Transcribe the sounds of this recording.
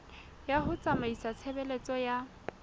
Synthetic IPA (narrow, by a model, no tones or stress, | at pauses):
jahʊt͡sʼamaisat͡sʰɛbɛlet͡sʼɔja